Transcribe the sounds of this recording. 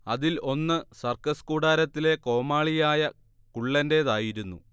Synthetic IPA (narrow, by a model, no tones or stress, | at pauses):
ɐðilo̞nːɨsɐrkɐskuːɽaːɾɐt̪ːile̞ko̞ːmaːɭijaːjɐ | kuɭːɐnde̞ːðaːjiɾunːu